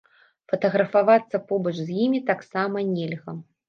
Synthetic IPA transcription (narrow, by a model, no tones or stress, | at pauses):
fɐt̪ɐɣɾɐfavat̪sːɐpɔbɐt͡ʂzʲjimʲit̪aksamɐnʲɛlʲɣɐ